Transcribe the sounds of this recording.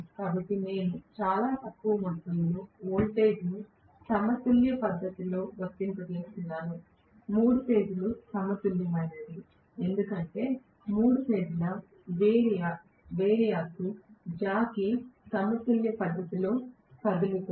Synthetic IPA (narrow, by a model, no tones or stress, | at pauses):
kaːbɐʈːine̞ːnut͡ʃaːlaːt̪ɐkːuʋɐmut̪ːɐlɐnuoːlʈe̞ːd͡ʒni | sɐmɐt̪uljɐpɐd̪ːɐt̪ilo̞ːʋɐt̪ːint̪ɐɡiːlt̪unːaːnu | muːɽute̞ːd͡ʒulusɐmɐt̪uljɐmɐɾɐnd̪i | e̞nd̪ukɐɳʈe̞ː | muːɽupe̞ːd͡ʒilɐ | ʋeːɽija | ʋeːɾijaːsud͡ʒaːkisɐmɐt̪uljɐpɐd̪ːɐt̪ilo̞ː | pɐd̪uluk